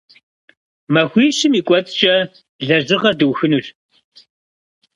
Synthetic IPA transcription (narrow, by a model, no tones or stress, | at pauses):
mɐxʷiːɕɨmiːkʷʼɔt͡sʼt͡ʃʼɐ | ɮɐʑɨʁɐdɨwxɨnuɬ